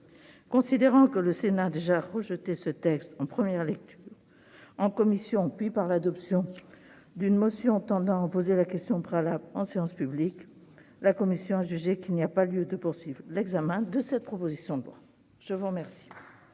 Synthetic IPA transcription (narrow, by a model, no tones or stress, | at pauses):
kɔ̃sid̪eʁɑ̃kələsenaːd̪eʒaʁəʒət̪esət̪ɛkst̪ɑ̃pχəmjɛʁlɛk̚t̪ʰyːʁ | ɑ̃kɔmisjɔ̃pɥipaʁlad̪ɔpsjɔ̃ | d̪ynmɔsjɔ̃t̪ɑ̃d̪ɑ̃apozelakʲɛst̪jɔ̃pχealablɑ̃seɑ̃spyblik | lakɔmisjɔ̃aʒyʒekilniapaljød̪əpuʁsɥivʁlɛɡzamɛ̃d̪əsɛt̪̚pχɔpozisjɔ̃d̪lwa̰ | ʒ̥əvuʁmɛʁsi̥